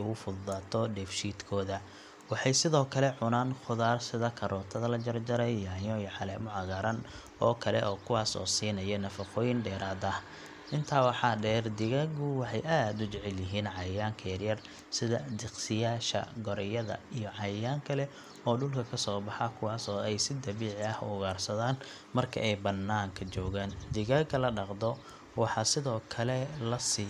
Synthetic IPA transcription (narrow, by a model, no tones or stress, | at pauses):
ʊɣʊfʊðaːt̪ʰɔɖɛːfʃiːd̪kʰɔːðɐ | wɑħɑjsɪðɔːkʰɐlɛʕʊnaːnχʊðaːrsɪðɐkʰɐɾɔːt̪ʰɐðɐlɐd͡ʒɐrd͡ʒɐɾɛjjaːjɔjʕɑlɛːmʊʕɑɣɐɾɐn | ɔːkʰɐlɛ̰ʔɔːkʰʊwɑːsɔ̰ːsiːnɐjɔnɐfɑqɔːjɪnɖɛːɾaːd̪ɐh | ʔɪnt̪ʰaːwɑħɑːɖɛːrd̪ɪɣɐɣʊwɑħɑjʔaːd̪ʊt͡ʃɛʕɛljɪɦiːnʕɑjjaːŋkʰɐjɐrjɐr | sɪðɐ̰d̪ɪqsɪjaːʃɐ̰ɡɔɾɛjɐðɐ̰ijɔʕɑjaːŋkʰɐlɛ | ɔːɖʊlkʰɐkʰɐsɔːbɑħɑkʰʊwɑːsɔːɛjsɪd̪ɐβiːʕɪɐhʊ̰ɣaːrsɐðaːn | mɐrkʰɐ̰ʔɛjbɐnːaːŋkʰɐt͡ʃɔːɣaːnd̪ɪɣɐɡɐlɐɖɑqd̪ɔ | wɑħɑsɪðɔːkʰɐlɛlɐsi